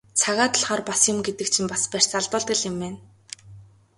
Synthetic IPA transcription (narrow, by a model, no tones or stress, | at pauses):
t͡sʰaɣaːt̪ə̆ɮχaːrpasjʊ̆mɡet̪ɘ̆kt͡ɕʰĭmpaspær̥ʲt͡saɮpə̆ːɮt̪ɘ̆ɮɪ̆meːn